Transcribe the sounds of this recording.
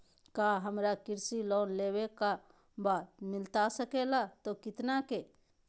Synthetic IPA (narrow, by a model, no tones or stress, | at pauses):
kaɦəmɾakɪɾsiloːnleːweka | baːt̪mɪlt̪asəkelat̪okɪt̪nake